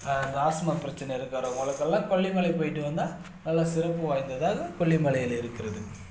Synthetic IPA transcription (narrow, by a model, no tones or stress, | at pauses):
ɐnd̪ɐaːsɐmɐpɪɾɐt͡ʃːɐnɐɪɾɯkːaːɾɐ̃mɐlɐkːɐɭːãːkɔɭːimɐɭɛɪpoːjɪʈːɯʋɐnd̪aː | nɐlːɐsɪɾɐpːɯʋaːjnd̪ɐðaːɣɐkɔɭːimɐɭɐjɪlɪɾɯkːɪɾɐðɯ